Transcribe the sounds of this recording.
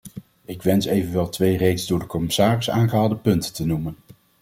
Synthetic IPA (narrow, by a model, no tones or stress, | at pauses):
ɪkʋɛnsejvənʋɛlˠtʋejrejtzdʊːɹdəkɔmɪsaːrɪsaːnχəɦaːlˠdəpɵntətənumən